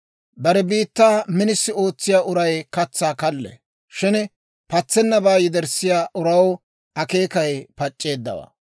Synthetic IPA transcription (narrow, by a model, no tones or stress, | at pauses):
bɐɾɛbiːt̪ːaːmɪnɪsːɪo̞ːt͡sːɪjaːʔʊɾɐjkɐt͡sːaːkɐlːɛ̰ | ʃɪn | pɐt͡sːɛnːɐbaːjɪd̪ɛɾsɪjaːʔʊɾɐw | ɐke̞ːkɐjpɐt͡ʃʼːe̞ːd̪ːɐ̰wa̰ː